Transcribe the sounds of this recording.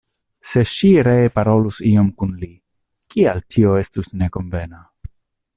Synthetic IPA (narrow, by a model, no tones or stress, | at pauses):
se̞ʃiɾeːpaɾo̞lusio̞mkunli | kialtʰio̞e̞stusne̞ko̞nve̞na